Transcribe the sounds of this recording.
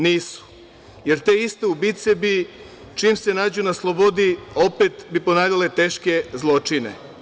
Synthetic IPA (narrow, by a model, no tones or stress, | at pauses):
niːsu̥ | je̞ɾt̪e̞ist̪e̞ubiːt̪se̞bi | t͡ʃimse̞naːd͡ʑunaslˠobod̪io̞pet̪bipo̞naːʋʎʲale̞t̪e̞ːʃke̞zlˠo̞t͡ʃinḛ